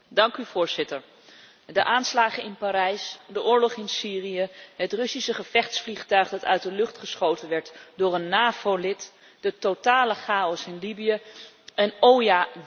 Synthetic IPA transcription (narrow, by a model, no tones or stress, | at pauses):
dɑŋkyvʊːɹzɪtəɹ | dəʔaːnslaːχənɪnpaːɾɛjsdəʔʊːɹlɔχɪnsiːrijəɦətrɵsisəχəfɛχtsfliχtœɥχdɑtœ̰ɥt̚dəlɵχtχəsχowtənʋɛɹtdʊːɹənːaːv̥olɪt | d̥ətotaːləχaːɔsɪnlibijə | ʔənowja